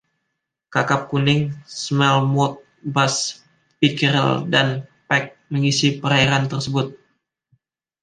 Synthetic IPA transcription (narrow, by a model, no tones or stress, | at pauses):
kakap̚kunɪŋsmɛlmɔt̪̚ | bas | pikəɾə̰ldanpɛk̚məŋisipəɾaiɾant̪ərsəbʊt̪̚